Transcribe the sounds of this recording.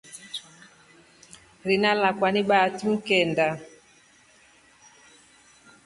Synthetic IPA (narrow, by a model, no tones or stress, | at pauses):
ɾinalakwaniɓatuŋ̩kɛnda